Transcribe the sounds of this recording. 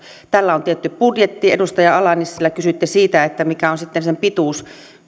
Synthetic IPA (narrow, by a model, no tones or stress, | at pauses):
t̪ælːæont̪iet̪ːyppudjet̪ːiedust̪ɑjɑɑlɑnisilːækysyt̪ːesiːt̪æet̪ːæmikæonsit̪ːensempit̪uˑs